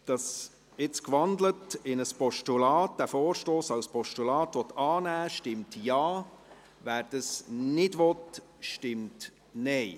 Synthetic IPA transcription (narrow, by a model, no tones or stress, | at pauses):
d̥ɑs | ɪt͡skʋɑndlətɪnəspɔʃtulɑːt̚d̥æfoːɾʃtoːsɑwspʰɔʃtulɑːtʋɔt̪ɑːnæːʃtɪmtjɑː | væːɾd̥əsnɪdʋɔt | ʃtɪmt | nɛɪ